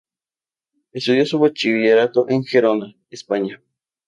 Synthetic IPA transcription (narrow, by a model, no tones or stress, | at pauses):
est̪uðjosuβat͡ʃiβiʝeɾat̪oʔeŋxeɾona | espaɲa